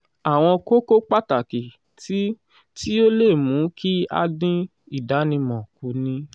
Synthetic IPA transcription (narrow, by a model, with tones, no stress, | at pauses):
a˨w̃ɔ̃˧ko˦ko˦k͡pa˦ta˨ki˨ | ti˦ | ti˦o˦le˦˨mũ˨˦kʰi˦a̰˧dĩ˦ | i˦˨da˨˦nĩ˧mɔ̃˨ku˨˦nĩ˨˦